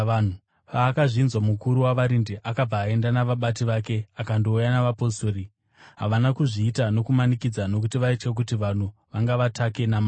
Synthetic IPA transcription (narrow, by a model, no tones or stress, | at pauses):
u | paːkaʐinzwamukuɾuwaʋaɾindeʔakab͡vaːe̞ndanaʋaɓatiʋake̞akando̞ujanaʋapo̞soːɾi | ɦa̰ʋanakuʐiːtano̞kumanikid͡zano̞k̬utiʋaitke̞k̬utiʋan̤uʋaŋɡaʋatʰake̞nama